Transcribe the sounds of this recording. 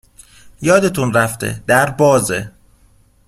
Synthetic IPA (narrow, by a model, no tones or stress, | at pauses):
jɒːd̪e̞t̪ʰunræft̪ʰḛd̪̥æɾbɒːze